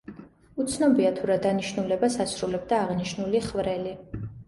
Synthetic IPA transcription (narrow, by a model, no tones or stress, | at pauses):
ut̪sʰnɔbiat̪ʰuɾad̪aniʃnulɛbasasɾulɛbd̪aːʁniʃnuliχvɾɛli